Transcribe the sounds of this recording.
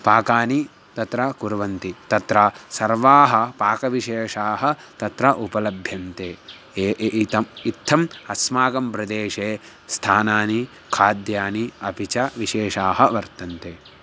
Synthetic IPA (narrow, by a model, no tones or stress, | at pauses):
paːkaːni | t̪ɐt̪ɾɐkuɾʋɐnt̪it̪ɐt̪ɾɐsɐɾʋaːɦɐ̆paːkɐʋiʃeːʂaːɦɐt̪ɐt̪ɾɐʔupɐlɐbʱjɐnt̪eː | ʔit̪ɐmit̪ʰːɐmɐsmaːɡɐmpɾɐd̪eːʃeː | st̪ʰaːnaːni | kʰaːd̪jaːniɐpit͡ʃɐʋiʃeːʃaːɦɐʋɐɾt̪ɐnt̪eː